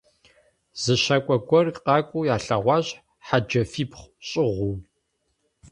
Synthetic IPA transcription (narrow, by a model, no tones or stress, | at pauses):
z̥ɨʃakʷʼɔɡʷɔrqɑːkʷʼuːjaːɬɐʁʷɑːʑ | ħad͡ʒɐfiːpχʷɕʼɪʁʷuw